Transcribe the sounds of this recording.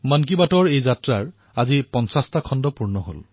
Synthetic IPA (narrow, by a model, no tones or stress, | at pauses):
mankibatɔɹejzatɹaɹ | azipɔnsastakʰɔndɔpuɹnɔɦo̰l